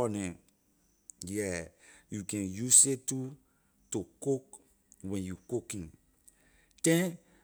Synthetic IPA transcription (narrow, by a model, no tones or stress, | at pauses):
ɔnɛ̃ | jɛjukɛ̃njusetu | tukok | wɛ̃njukokĩŋ | tɛ̃n